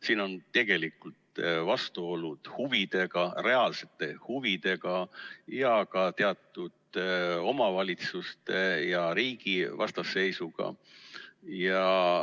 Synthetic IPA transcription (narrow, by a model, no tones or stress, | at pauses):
siːno̞nt̪e̞ɡ̥e̞likult̪vɑst̪uo̞lud̪̥huvid̪e̞ɡ̥ɑre̞ɑlse̞t̪ːˑe̞huvid̪̥e̞ɡ̥ɑjɑkɑt̪e̞ɑt̪ːˑud̪̥o̞mɑvɑlʲit̪sust̪ejɑɾiːɡ̥ivɑ̰st̪ɑsːe̞jsuɡ̥ɑ̰ | jɑ